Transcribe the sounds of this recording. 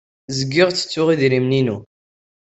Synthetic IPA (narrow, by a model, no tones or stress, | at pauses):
zəɡːɪʁt͡sːə̥t͡sːʊʁiðɾimninu